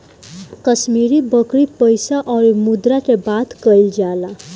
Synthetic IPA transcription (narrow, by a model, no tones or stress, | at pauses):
kəsmiɾibəkɾipəjsaʔɔɾimud̪ɾat̪ebat̪kəjld͡ʒala